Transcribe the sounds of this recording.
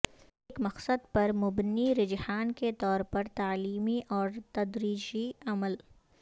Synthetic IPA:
ɪkmɐqsəd̪̚pɐɾmʊbniɾɪd͡ʒhaːnket̪ɔːɾpɐɾt̪aːliːmiʔɔːɾt̪ɐd̪ɾiːd͡ʒiɐməl

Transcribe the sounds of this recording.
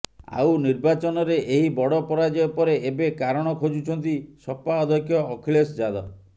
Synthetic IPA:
a̰wniɾbat͡ʃɔnɔɾeʔeɦibɔɽɔpɔɾad͡ʒɔepɔɾeʔebekaɾɔɽ̃ɔkʰod͡ʒut͡ʃʰɔnt̪isɔpaɔd̪ʱɔkʰjɔːkʰilesd͡ʒad̪ɔ̰

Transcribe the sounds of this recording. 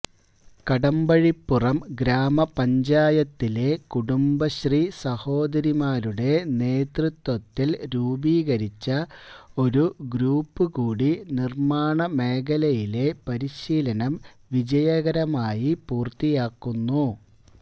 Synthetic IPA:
kɐɽɐmbɐɻipːurɐmɡɾaːmɐpɐɲd͡ʑaːjɐt̪ːile̞kuɽumbɐɕriːsɐho̞ːd̪ɐɾimaːɾuɽe̞ne̞ːt̪rɨt̪ːwɐt̪ːilɾuːbiːɣɐɾit͡ɕːɐo̞ɾuɡɾuːpːɨkuːɽinirmaːɳɐme̞ːkɐlɐjile̞pɐɾiɕiːlɐnɐm | ʋid͡ʑɐjɐɣɐɾɐmaːjipuːrt̪ːijaːkːunːu

